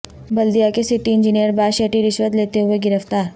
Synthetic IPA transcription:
bɐld̪ijakesɪʈiɪ̃nd͡ʒɪnijəɾbaːʃeːʈiɾɪʃwət̪leːt̪eɦʊeɡɪɾəft̪aːɾ

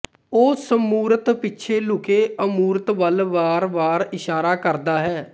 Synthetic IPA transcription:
oːsəmuːɾət̪pɪtːʃʰeːlʊkeːəmuːɾət̪ʋəlʋaːɾʋaːɾɪʃaːɾaːkəɾd̪aːɦɛː

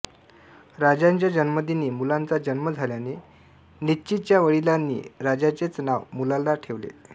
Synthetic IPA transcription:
ɾad͡ʑjaɲt͡ɕjad͡ʑənməd̪ʱiniːmulant͡sad͡ʑənməd͡zʱaljane | nitt͡ɕit̪̚t͡ɕjaʋəɭilanːḭːɾad͡ʑat͡set͡snaʋmulalːaʈʰeʋlḛ

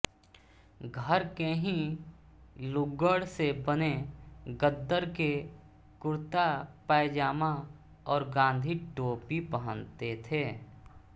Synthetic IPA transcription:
ɡʱəɾkeɦĩ | lʊɡəɽsebəneɡəd̪ːəɾke | kʊɾt̪apɛːd͡ʒaːma | ɔːɾɡãːn̆d̪ʱiʈoːpipəɦə̃nt̪et̪ʰeː

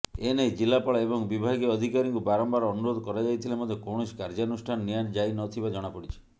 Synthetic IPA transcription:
enejd͡ʒilapaɭaebɔŋbibʱaɡeɔd̪ʱikaɾiŋkubaɾɔmbaɾɔnuɾod̪ʱɔkɔɾad͡ʒajt̪ʰilemɔd̪ʱekoɽ̃oskaɾd͡ʒanusʈʰanɔːiand͡ʒajnɔt̪ʰibad͡ʒɔɽ̃apɔɽit͡ʃʰi̥

